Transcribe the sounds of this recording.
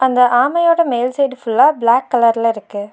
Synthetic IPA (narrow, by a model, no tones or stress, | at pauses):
ɐnd̪ɐʔaːmɐjoːɽɐmejlsɐjɖɯfʊɭːaːblaːkːɐlɐɾɪlɪɾɯkːɯ